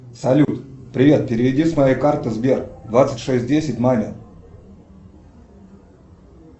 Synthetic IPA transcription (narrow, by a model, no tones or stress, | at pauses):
sɐlʲut̪pɾʲɪvʲe̞t̪̚pʲɪɾʲɪvʲɪdʲismɐjejkart̪ɨzbʲerd̪vat̪sətʲʂɛsʲt̚ʲdʲesʲɪtʲmamʲɪ